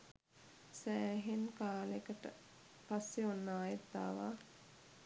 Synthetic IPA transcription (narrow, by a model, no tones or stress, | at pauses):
sæːɦenkaːlekəʈə̰ | pasːeonːaːjet̪ːa̰ːʋa̰